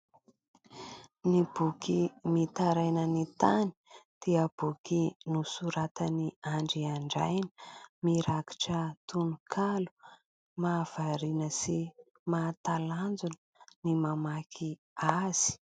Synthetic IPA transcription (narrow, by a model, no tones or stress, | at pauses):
nib̥ukimit̪aɾajnənit̪ani̥d̪̥iəb̥ukinusuɾat̪əniaɳɖ͡ʐiaɳɖ͡ʐa̰jnəmiɾaki̥ʈ͡ʂət̪unukʰalu̥ | maːv̥aɾinəsi | mat̪aland͡zunənimamakʰi | az̥i̥